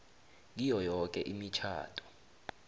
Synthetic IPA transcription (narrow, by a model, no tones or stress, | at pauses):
k̬ijɔjɔk̬ʼɛʔimit͡ʃʰa̰ːtʰʼɔ̥